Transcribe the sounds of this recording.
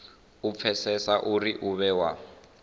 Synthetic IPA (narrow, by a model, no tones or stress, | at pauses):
up̪fʰɛsɛsaʔuriʔuβɛwa